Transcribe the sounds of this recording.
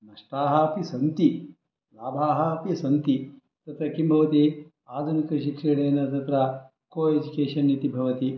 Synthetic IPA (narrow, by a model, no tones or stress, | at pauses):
nɐʂʈaːɦɐpisɐnt̪i | laːbʱaːɦɐɐpisɐnt̪i | t̪ɐt̪ɾɐkimbʱɐʋɐt̪i | aːd̪ʱunikɐʃikʂɐɽ̃eːnɐt̪ɐt̪ɾɐ | koːed͡ʒukeːʂɐnːit̪ibʱɐʋɐt̪i